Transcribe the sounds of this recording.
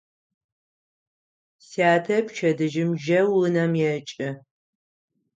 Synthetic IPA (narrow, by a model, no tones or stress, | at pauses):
siaːtʰɐpʃʰɐdɨʒɪmʒɐwɨnɐmjɛt͡ʃʼɪ